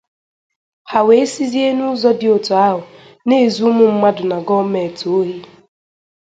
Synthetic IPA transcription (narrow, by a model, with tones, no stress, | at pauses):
ha˨we˨e˦si˦zi˦e˦nʊ˦zɔ˦dɪ˨o˨to˨a˦ɦʊ˨ | ne˦˨zu˦mʊ˦m̩˦ma˦dʊ˨na˨ɡɔ˦me˨to˨o˦ɦi˦